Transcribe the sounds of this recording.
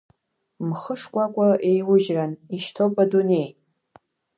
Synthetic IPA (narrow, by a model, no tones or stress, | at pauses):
mχəʂkʷʼakʷʼaʔejwʊʒraniʃtʰopʼadune̞j